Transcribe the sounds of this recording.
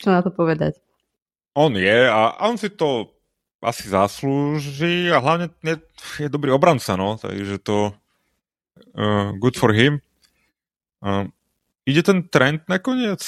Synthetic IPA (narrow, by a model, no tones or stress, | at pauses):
t͡ʃɔnat̪ɔpɔʋɛd̪a̰c | ɔnjɛaʔa̰ɔnsit̪ɔ | ʔa̰sizasluːʒiːaɦlaʊɲɛɲɛ | jɛd̪ɔbɾiːɔbɾant͡sanɔt̪a̰ɡʒɛt̪ɔ | ɡud̪fɔɾɦim | iɟɛt̪ɛnt̪ɾɛnd̪nakɔɲɪɛt͡s